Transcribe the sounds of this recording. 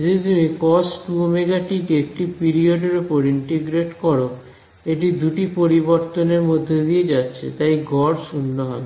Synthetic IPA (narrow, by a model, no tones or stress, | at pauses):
d͡ʑet̪umikɔsʈuomeɡaʈikeek̚ʈipiɾioɖeɾopoɾiɳʈeɡɾeʈkɔɾo | eʈid̪uʈipoɾiboɾt̪oneɾmod̪ʱːed̪ijed͡ʑatːɕʰḛt̪ajɡʱɔɾʃunːoɦɔbe